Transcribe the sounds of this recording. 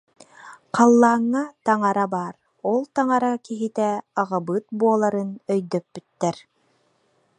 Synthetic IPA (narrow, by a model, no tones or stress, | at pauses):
qɑlˠːaːŋːat̪ɑŋaɾabaːɾ | ɔlˠt̪aŋaɾakiɦit̪ɛɑʁabɯt̪̚buɔlˠaɾɯnœjd̪œpːyt̪ːɛɾ